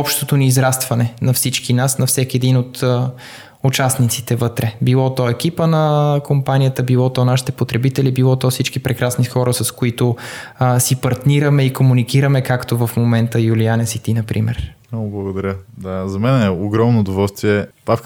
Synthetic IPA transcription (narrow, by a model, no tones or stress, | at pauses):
ɔpʃt̪ot̪oniːzɾast̪vɐnɛnɐfsit͡ʃkinasnɐfsɛkiɛd̪inot̪ | ʊt͡ʃasnit̪sit̪ɛvɤt̪ɾɛbilˠɔt̪ɔɛkipənɐkompanijət̪əbilˠɔt̪ɔnaʃi̥t̪ɛpot̪ɾɛbit̪ɛlibilˠɔt̪ɔsit͡ʃkipɾɛkɾasnixɔɾəsɐskoit̪ʊ | sipɐɾt̪niɾɐmɛikomunikiɾɐmɛkakt̪ovɐfmomɛnt̪əjulianɛsit̪inɐpɾʔimɛ̰ɾ | oblˠɐɡod̪ɐɾʲjəd̪azɐmɛnɛoɡɾɔmnoʊd̪ovɔlˠst̪viɛbaf